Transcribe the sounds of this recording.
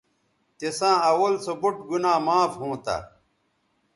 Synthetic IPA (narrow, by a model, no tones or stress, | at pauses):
t̪esãːɐwɐlsɐbuʈɡunaːmaːfhõːt̪a̰